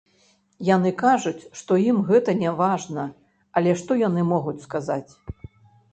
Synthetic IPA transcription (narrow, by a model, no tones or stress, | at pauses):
jan̪ɨkaʐut͡sʲʂt̪ɔjimɣɛt̪ɐnʲɛvaʐnɐ | ɐlʲɛʂt̪ɔjanɨmɔɣut͡sʲskazat͡sʲ